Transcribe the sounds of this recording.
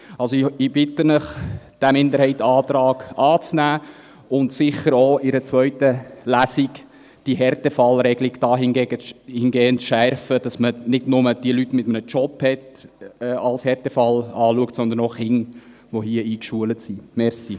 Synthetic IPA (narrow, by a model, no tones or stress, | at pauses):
ɑlsoɪɪb̥ɪtənəχd̥æmɪnd̪əɾhɛɪtːɑːtɾɑːɡʔɑːt͡snæː | ʊntsɪχəɾoɪɾət͡sʋœʏtəlæsik | d̥iɦɛɾtɛfɑlɾɛɡliɡd̥ɑːɦɪnɡɛːɡəhɪnɡɛːənʃɛɾfəd̥ɑsmənɪdnʊməd̥iəlytːmɪt̪əmənət͡ʃɔphɛtɛːɑlshɛɾtɛfɑlɑːluəktsɔnd̪ənoχɪŋ | ʋohiəiːkʃuələtsimɛɾsi